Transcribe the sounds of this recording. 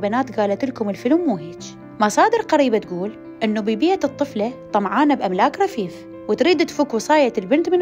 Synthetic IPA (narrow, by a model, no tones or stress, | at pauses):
banaːt̪ɡaːlat̪ɪlkʊmɪlfɪlumːuːheːt͡ʃ | mɑsˤɑːd̪ɪɾqaɾiːbat̪ɡuːl | ʔɪnːubibɪjaɨt̪ˤːɨflat̪ˤɑmʕaːnabʔamlaːkɾˤɑfiːf | wɪt̪ɾiːd̪t̪fuːkwɨsˤɑːjalbɪnt̪mɪn